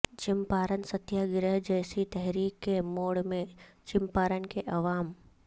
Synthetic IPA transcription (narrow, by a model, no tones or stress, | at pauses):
t͡ʃɪ̃mpaːɾənsət̪jaɡɪɾəɦd͡ʒɛːsit̪ɛɦɾiːkːemoːɽmẽt͡ʃɪ̃mpaːɾənkeʔɐʋaːm